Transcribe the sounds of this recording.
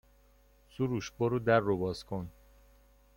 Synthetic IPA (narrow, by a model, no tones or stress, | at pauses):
suɾuːʃboɾud̪ærːobɒːzkʰon